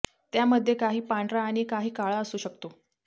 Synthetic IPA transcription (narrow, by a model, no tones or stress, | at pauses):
t̪jaməd̪ʱːjekaɦiːpaɳɖɾaːɽ̃ikaɦiːkaɭaəsuːɕəkt̪o